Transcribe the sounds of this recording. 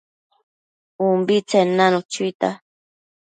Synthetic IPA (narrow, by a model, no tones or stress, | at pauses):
umbit͡senanut͡ʃit̪a̰